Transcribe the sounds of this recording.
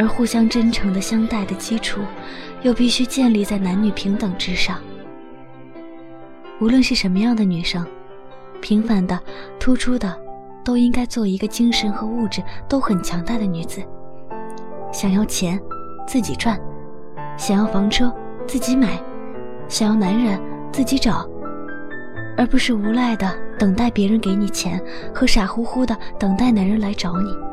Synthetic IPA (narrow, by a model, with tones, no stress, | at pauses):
ə˞˧˥xu˥˩ɕjɑ˥ŋʈ͡ʂə˥nʈ͡ʂʰɤ˧˥ŋd̪ə˧ɕjɑ˥ŋt̪a˥˩ɪd̪ə˩t͡ɕi˥ʈ͡ʂʰu˨˩˦jo˥˧ʊpi˥˩ɕy˥t͡ɕjɛ˥˧nli˥˧t͡sa˥˩ɪna˧˥nny˨˩pʰi˧˥ŋt̪ɤ˨˩ŋʈ͡ʂɻ̩˥ʂɑ˥˩ŋ | u˧˥lwə˥˧nʂɻ̩˥˩ʂə˧˥nmə˧jɑ˥˩ŋd̪ə˩ny˨˩ʂɤ˥˩ŋ | pʰi˧˥ŋfa˧˩nd̪ə˨t̪ʰu˥ʈ͡ʂʰu˥d̪ə˨ | t̪o˥ʊi˥ŋka˥ɪt͡swɔ˥˩i˧˥ɡə˧t͡ɕi˥ŋʂə˧˥nxɤ˧˥u˥˩ʈ͡ʂɻ̩˨˩t̪o˥ʊxə˨˩nt͡ɕʰjɑ˧˥ŋt̪a˥˩ɪd̪ə˩ny˧˥d͡zɹ̩˨˩ | ɕjɑ˨˩ŋjɑ˥˩ʊt͡ɕʰjɛ˧˥n | t͡sɹ̩˥˩t͡ɕi˨˩ʈ͡ʂʰwa˥˩n | ɕjɑ˨˩ŋjɑ˥˩ʊfɑ˧˥ŋʈ͡ʂʰɤ˥ | t͡sɹ̩˥˩t͡ɕi˧˥ma˨˩˦ɪ | ɕɑ˨˩ŋjɑ˥˩ʊna˧˥nɻə˧˥nt͡sɹ̩˥˩t͡ɕi˧˥ʈ͡ʂɑ˨˩˦ʊ | ə˞˧˥pu˧˥ʂɻ̩˥˩u˧˥la˥˩ɪd̪ə˩t̪ɤ˨˩ŋt̪a˥˩ɪpjɛ˧˥ɻə˧˥nke˧˥ɪni˨˩t͡ɕʰjɛ̰˧˥n | xɤ˧˥ʂa˨˩xu˧˥xu˥d̪ə˨t̪ɤ˨˩ŋt̪a˥˩ɪna˧˥ɻə˧˥nla˧˥ɪʈ͡ʂɑ˧˥ʊni˨˩˦